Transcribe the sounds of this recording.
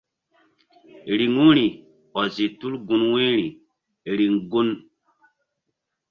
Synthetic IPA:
ɾi˨ŋu˦ɾi˨ | ɔ˨zi˨tu˦lɡu˨nwe˦ɾi˨ | ɾi˨ŋɡu˦n

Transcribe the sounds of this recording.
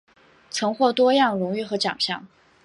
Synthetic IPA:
t͡sʰɤ˧˥ŋxwɔ˥˩t̪wɔ˥jɑ˥˩ŋɻʊ˧˥ŋy˥˩xɤ˧˥t͡ɕjɑ̰˨˩ŋɕjɑ˥˩ŋ

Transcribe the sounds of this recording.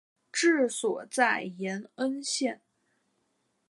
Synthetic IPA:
ʈ͡ʂɻ̩˥˩swɔ˨˩t͡sa˥˩ɪjɛ˧˥nə˥nɕjɛ˥˧˩n

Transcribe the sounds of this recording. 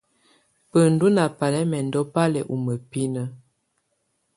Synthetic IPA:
pə˨n˨du˦na˨pa˨lɛ˦mɛ˨ndɔ˦pa˦lɛ˨ʔu˨mə˨pi˦nə˦

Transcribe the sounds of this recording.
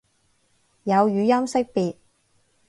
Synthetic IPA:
jɐ˨˧wjyː˨˧jɐ˥msɪ˥k̚piː˨t̚

